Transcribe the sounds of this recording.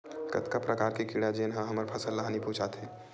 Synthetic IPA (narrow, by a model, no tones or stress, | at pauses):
kɐ̰t̪kapɾɐkaːɾkikiɽad͡ʒenɦãɦɐməɾpʰɐsəlːaɦanipũːt͡ʃat̪ʰeː